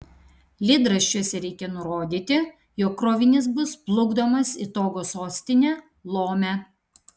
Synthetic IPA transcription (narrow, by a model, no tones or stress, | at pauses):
lʲɪd̪ɾɐʃʲt͡ʃʲuɔsʲɛɾʲɛɪkʲɛnʊɾoːd̪ʲiːt̪ʲɪ | joːkːɾoːʋʲɪnʲɪs̬bʊsplˠʊɡd̪oːmɐsɪt̪oːɡoːsoːsʲt̪ʲɪnʲɛː | lˠoːmʲæ